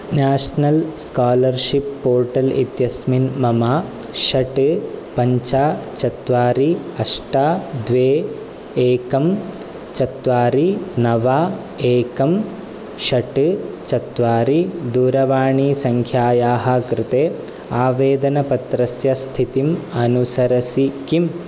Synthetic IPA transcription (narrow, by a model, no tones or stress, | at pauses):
naːʂnɐlskaːlɐɾʃipːoːɾʈɐlḭt̪jɐsminmɐmaː | ʃɐʈɨpɐɲt͡ʃaːt͡ʃɐt̪ʋaːɾiɐʂʈaːd̪ʋeː | eːkɐm | t͡ʃɐt̪ʋaːɾinɐʋaː | eːkɐm | ʃɐʈɨ | t͡ʃɐt̪ʋaːɾid̪uːɾɐʋaːɳiːsɐŋkʰjaːjaːɦɐ̆kɾɪt̪eː | aːʋeːd̪ɐnɐpɐt̪ɾɐsjɐst̪ʰit̪imɐnusɐɾɐsikim